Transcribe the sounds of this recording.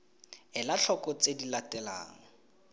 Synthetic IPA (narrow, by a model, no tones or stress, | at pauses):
ɪlaɬʰɔkɔt͡sʼedilatɛla̰ːŋɔ